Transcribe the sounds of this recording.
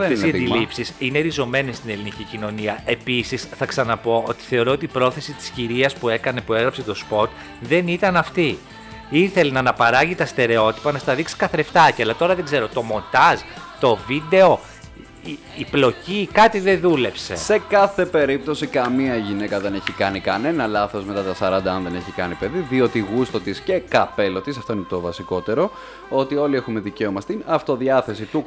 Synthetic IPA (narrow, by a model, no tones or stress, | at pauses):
ɐfesiɐd̪ilipsisineɾizo̞me̞nest̪ine̞linicicino̞niɐe̞pisisθɐksɐnɐpo̞ʔo̞̰t̪i̥θe̞o̞ɾoot̪iːpɾo̞θe̞sit̪i̥sciɾiɐspuekɐne̞pue̞ɣɾɐpse̞t̪o̞spo̞t̪ | ðe̞nit̪ɐnɐft̪i | iθe̞lenɐnɐpɐɾɐʝit̪ɐst̪e̞ɾe̞o̞t̪i̥pɐnɐst̪ɐðiksi̥kɐθɾeft̪ɐciɐlɐt̪o̞ɾɐðeɡze̞ɾo̞t̪o̞mo̞nt̪ɐzt̪o̞vid̪e̞o̞ | plo̞cikɐt̪iðe̞ðule̞pse̞̰se̞kɐθe̞pe̞ɾip̚t̪o̞sikɐmiɐʝine̞kɐðe̞ne̞çikɐnikɐne̞nɐlɐθo̞zme̞t̪ɐt̪ɐsɐɾɐnd̪ɐɐnðe̞ne̞çikɐnipe̞ðiðio̞t̪iɣust̪o̞t̪isce̞kɐpe̞lo̞t̪isɐft̪o̞inet̪ovɐsiko̞t̪e̞ɾo̞ | o̞t̪io̞lie̞xume̞ðice̞omɐst̪inɐft̪o̞ðiɐθe̞sit̪u